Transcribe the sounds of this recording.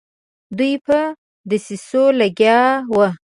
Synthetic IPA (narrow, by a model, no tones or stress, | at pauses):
d̪ujpə | d̪əsisoləɡjɑwə